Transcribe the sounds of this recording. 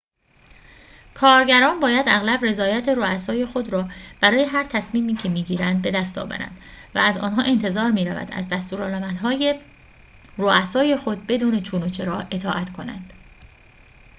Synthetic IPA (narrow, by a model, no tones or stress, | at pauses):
kʰɒːɾɟæɾɒːnbɒːjæd̪æɣlæbre̞zɒːjæt̪ʰeɾoæsɒːje̞xo̞d̪ɾɒːb̥æɾɒːje̞ɦæɾt̪ʰæsmiːmiːcʰe̞miːɟiːɾænd̪̚be̞d̪æst̪ɒ̰ːvæ̰ɾæ̰nd̪væ̰æzɒ̰ːnɦɒːʔe̞nt̪ʰe̞zɒːɾmiːɾævæ̰d̪æ̰zd̪æst̪uːɾɒːlæmænɦɒːje | roʔæsɒːje̞xo̞d̪̚be̞d̪uːne̞t͡ʃʰuːnot͡ʃʰe̞ɾɒːe̞t̪ʰɒːʔæt̪ʰkʰo̞næ̰nd̪̥